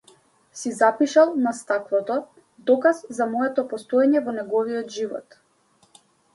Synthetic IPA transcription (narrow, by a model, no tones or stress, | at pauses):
sizapiʃalˠnast̪aklˠɔt̪ɔ | d̪ɔkazzamɔɛt̪ɔpɔst̪ɔɛɲɛvɔnɛɡɔviɔt̪ʒivɔ̰t̪